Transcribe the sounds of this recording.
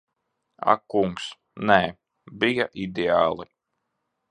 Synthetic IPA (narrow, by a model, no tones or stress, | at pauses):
a̰kuŋks | nɛː | bijaʔid̪ʲeaːlˠi